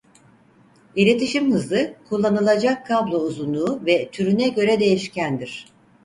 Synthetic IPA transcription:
iɾe̞t̪ʰiʃimhɯzlˠɯkʰulˠːanɯlˠad͡ʒakʰːablˠo̞uzunˠuːvɛt̪ʰyɾynɛɟø̞ɾɛd̪e̞jiʃcænd̪iɾ̝̥

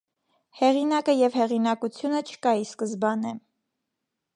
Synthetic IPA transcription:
hɛʁinɑkəjɛvhɛʁinɑkut͡sʰjunət͡ʃʰə̥kɑiskəzbɑnɛ

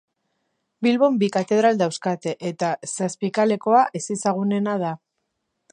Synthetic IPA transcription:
bilβo̞mbikat̪e̞ð̞ɾald̪awskat̪e̞ʔet̪asaspikale̞ko̞aʔesisaɣune̞nað̞a

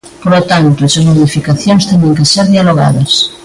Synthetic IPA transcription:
polot̪ant̪oesɐzmoðifikaθjonst̪eɲẽŋkeseɾðialoɣa̰ðɐs

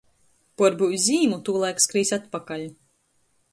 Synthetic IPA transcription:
pɔɾbuwzʲiːmut̪uːlˠajkskɾiːsʲat̪pakalʲu

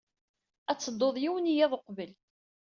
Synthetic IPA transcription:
æt͡sːəd̪ˤːoðˤjiwənijæðˤoqvəl

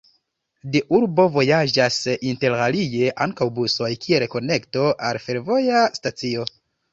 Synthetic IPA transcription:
deʔuɾbo̞vo̞jad͡ʒasinte̞ɾalije̞ʔaŋkawbuso̞jkʰieɾko̞ne̞kto̞ʔalfe̞ɾvo̞jastat͡sio̞

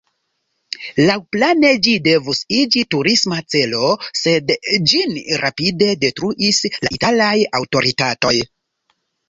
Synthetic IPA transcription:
lawplane̞d͡ʒide̞vusid͡ʒituɾismat͡se̞lo̞se̞dd͡ʒinɾʔapide̞de̞tɾuʔislaʔitalajawto̞ɾitato̞j

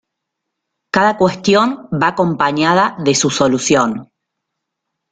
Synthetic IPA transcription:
kaðakwe̞st̪jo̞mbako̞mpaɲað̞aðe̞suso̞lusjon

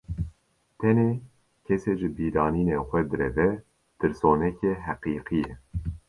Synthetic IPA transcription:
t̪ʰɛneː | kʰɛseːʒɨbiːɾɑːniːneːxʷɛd̪ɨɾɛvɛ | t̪ʰɨɾsoːnɛkeɦæqiːqijɛ

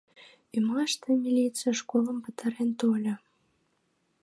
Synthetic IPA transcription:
imɑʃt̪əmʲilʲit͡sɨjəʃkolˠəmpət̪ɑɾent̪olʲə̆

